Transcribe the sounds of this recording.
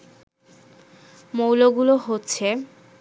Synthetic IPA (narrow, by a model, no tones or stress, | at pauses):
mowloɡuloɦotːɕʰe